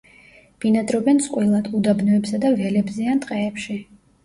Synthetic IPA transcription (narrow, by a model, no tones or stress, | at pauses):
b̥inat̪ʼɾɔbɛnsʼqʼwilˠad̪ʰud̪abnɔɛpsad̪avɛlɛbzɛant̪ʼqʼɛːpʃi